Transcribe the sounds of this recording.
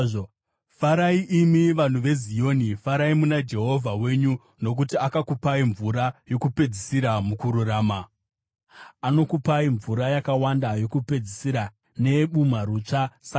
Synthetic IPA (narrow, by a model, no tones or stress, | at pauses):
faɾaiʔimiʋan̤uʋe̞zio̞ːnifaɾaimunad͡ʒe̞ɦo̞vʱawe̞ɲu | no̞k̬utiakakupaiɱvuɾajo̞kupe̞d͡zisiɾamukuɾuraːma | ano̞kupaiɱvuɾajakawandajo̞kupe̞d͡zisiɾa | ne̞ɓumaɾut͡ʂasa